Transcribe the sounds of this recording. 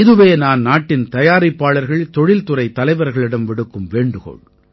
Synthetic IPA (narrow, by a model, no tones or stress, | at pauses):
ɪðɯʋeːnaːnnaːʈːɪnt̪ɐjaːɾɪpːaːɭɐɾɣɐɭt̪ɔɻɪlt̪ʊɾɐɪt̪ːɐlɐɪʋɐɾɣɐɭɪɽɐmʋɪɽɯkːɯmʋeːɳɖɯɣo̰ːɭ